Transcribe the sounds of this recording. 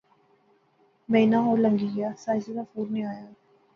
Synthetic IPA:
meːnaːɦoːlə̃ŋɡijaːsaːjsəlafuːɾnẽaːjaː

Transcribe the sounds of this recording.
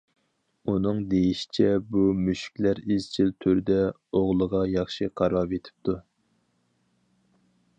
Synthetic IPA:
unɨŋd̪ejiʃi̥t͡ʃʰɛbumyʃy̥kʲlæɾiz̥t͡ʃʰilt̪ʰøɾɪd̪ɛ | oʁlˠəʁɑjɑχʃiqʰɑɾɑɾvet̪ʰɪ̥p̚t̪ʰu

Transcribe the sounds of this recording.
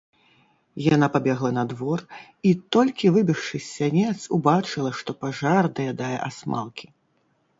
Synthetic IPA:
jaanapabʲɛɣlˠɐnɐd̪vɔr | it̪ɔlʲkʲivɨbʲiʂʂɨsʲanʲɛt̪subat͡ʂɨlˠɐʂt̪ɔpaʐard̪ɐjad̪ajɛ̰ʔasma̰lˠkʲi̥

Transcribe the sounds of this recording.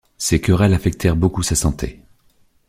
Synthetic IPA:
sekʲœʁɛlafɛk̚t̪ʰɛʁbokusasɑ̃t̪ʰḛ

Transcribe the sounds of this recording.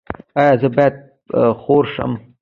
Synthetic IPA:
ɑjɑzəbɑjad̪̚ | xoɾʂə̰m

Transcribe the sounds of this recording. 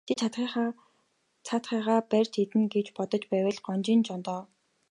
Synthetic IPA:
t̪ʰet̪ʰt̪χiː | t͡sʰat̪χiːʁaːpær̥ʲt̪ʰet̪ɘ̆nɡet͡ɕpɔt̪ɞ̆t͡ɕpæːwə̆ɮɢɔnt͡ɕint͡ɕɔnt̪ɔː

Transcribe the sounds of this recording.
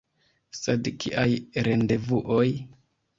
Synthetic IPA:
sedkʰiʔajɾende̞vuʔoj

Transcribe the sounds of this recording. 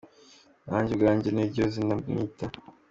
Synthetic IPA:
naːɲɟeɡaːɲɟeneɟozinanḭta

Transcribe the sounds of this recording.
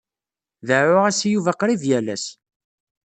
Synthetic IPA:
ðəʕʊʁæsjuvæqɾiðjælæ̰s

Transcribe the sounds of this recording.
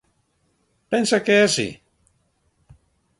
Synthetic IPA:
pensakeesḭ

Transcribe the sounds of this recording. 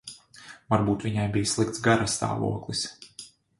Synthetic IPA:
vaɾbuːt̪viɲajbijslˠik̚t̪sɡaɾast̪a̰ːvṵɔklˠis

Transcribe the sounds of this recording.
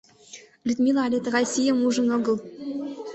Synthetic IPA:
lʲyd̪ʲmʲilˠɑɑlʲet̪rɑsʲijəmuʒə̆nɤ̆ɡɤ̆lˠ

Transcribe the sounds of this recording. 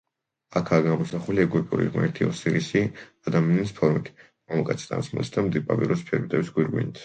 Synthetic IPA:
akʰaːɡamɔsaχuliɛɡwɛpʼṵɾḭʁmɛ̰ɾt̪ʰiɔ̰siɾisiad̪amianispʰɔɾmit̪ʰ | amakʼat̪sʰi̥t̪ʼa̰nsmṵlsd̪amd̪ipʼa̰pʼḭɾɔspʰɛɾbit̪ʼɛbisɡwiɾɡwḭnit̪ʰ

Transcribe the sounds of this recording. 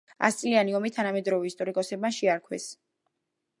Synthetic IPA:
a̰st̪sʼlianiɔmit̪ʰanamɛd̪ɾɔvɛist̪ʼɔɾikʼɔsɛbaʃiaɾkʰwɛ̰s

